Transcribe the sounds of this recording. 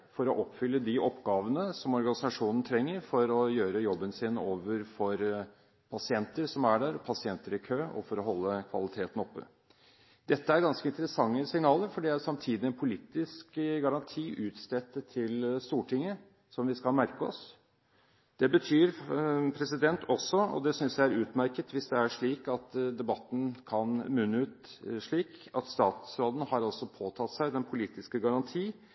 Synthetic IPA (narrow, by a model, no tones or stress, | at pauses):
fɔɾɔʔɔpːfʏlːəd̪ɪʔɔpːɡɑːʋənəsɔmɔɾɡɑnɪsɑʂuːnn̩ət̪ʰɾɛŋːəɾfɔɾɔjøːɾəjɔbːənsiːnəoːʋəɾfɔɾ | pʰɑsɪɛnt̪əɾsɔmæɖæɾɔpʰɑsɪɛnt̪əɾɪkʰøːɔ̰fɔɾɔɦɔlːəkʰʋɑ̰lɪt̪ʰeːt̪ən̩ɔpːə̰ | d̪ɛt̪ːəæɾɡɑnskəɪnt̪əɾəsɑŋːəsɪŋnɑːləɾfɔɖɛæsɑmt̪ʰiːd̪ɪɛnpʰʊliːt̪ɪskɡɑɾɑnt̪ʰiːʔʉːt̪st̪ɛt̪ːət̪ʰɪlst̪uːʈʰɪŋːə | sɔmʋɪskɑlmæɾkəɔ̰s | d̪̥ɛbət̪ʰyːɾpʰɾɛsɪd̪ɛnt̪ʰɔsːɔɔ̰d̪ɛsʏnsjæɪæɾʉːt̪mæɾkət̪ʋɪsd̪ɛæʂɭiːkɑt̪d̪ɛbɑt̪ːn̩kʰɑnmʉnːəʉːt̪ʂɭiːkɑt̪st̪ɑ̰ːt̪sɾoːd̪ən̩hɑɾɔlsɔpʰoːt̪ʰɑt̪sæɪd̪ɛnpʰʊliːt̪ɪskəɡɑɾɑnt̪ʰiː